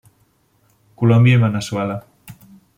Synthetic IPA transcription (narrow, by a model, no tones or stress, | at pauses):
kulɔmbjaemanasuala